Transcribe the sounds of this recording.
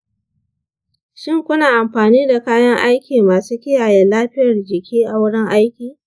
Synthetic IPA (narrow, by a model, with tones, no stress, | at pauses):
ʃɪ˦ŋkʷʊ˦naː˨ʔa˨mɸaː˨niː˦da˨kaː˦jɐ˦ŋʔa˦jkʲiː˨maː˨suː˦kʲɪ˦jaː˨jɛ˨laː˦ɸɪ˦jɐ˨rd͡ʒɪ˨kʲiː˦ʔa˨wʊ˦ɽɪ˦ŋʔa˦jkʲiː˨